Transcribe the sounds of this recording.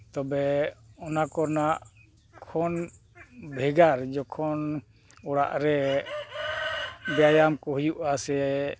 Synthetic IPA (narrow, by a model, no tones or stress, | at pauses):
t̪ɔbɛɔnakɔnaʔ | kʰɔn | bʱɛɡaɾd͡ʒɔkʰɔn | ɔɽa̰ʔɾɛ | bɛjajamkɔɦujuʔasɛ